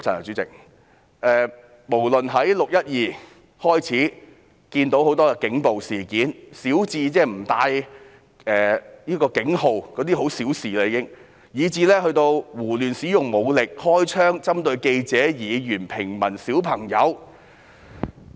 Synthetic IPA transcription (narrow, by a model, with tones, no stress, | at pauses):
t͡sʰɐ˨˩ɐ˨˩t͡syː˨˥t͡sɪ̰˨k̚ | ʔɛː˨ | mo˨˩wlɵ˨nɦɐ˨˥jlʊ˨k̚jɐ˥t̚jiː˨˩ | hɔː˥jt͡sʰiː˨˥ | kiː˧nt̪o˨˥who˨˥wt̪ɔː˥ɛ˧kɪ˨˥ŋpo˨wsiː˨˩kiː˨˥nsiː˨˥wt͡siː˧t͡sɛː˥m̩˨˩t̪aː˧j | ɛː˨jiː˥kɔː˧kɪ˨˥ŋho˨wkɔː˨˥t̪̬iː˥ɦo˨˥wsiː˨˥wsiː˨laː˧jiː˧kɪ˥ŋ | jiː˨˧t͡siː˧lɛː˥ɦɵ˧ɥt̪o˧wwuː˨˩lyː˨˩nsiː˨˥jʊ˨ŋmo˨˧wlɪ˨k̚hɔː˥jt͡ʃʰœː˥ŋt͡sɐ˥mt̪ɵ˧ɥke˧jt͡sɛː˨˥jiː˨˧jyː˨˩npʰɪ˨˩ŋmɐ˨˩nsiː˨˥wpʰɐ˨˩ŋjɐ̰˨˧w